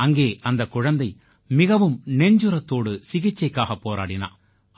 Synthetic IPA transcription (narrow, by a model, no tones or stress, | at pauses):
ɐŋɡeːʔɐnd̪ɐkːʊɻɐnd̪ɐɪ | mɪɣɐʋɯmnɛɲd͡ʒɯɾɐt̪ːoːɽɯsɪɣɪt͡ʃːɐɪkːaːɣɐpːoːɾa̰ːɽɪna̰ː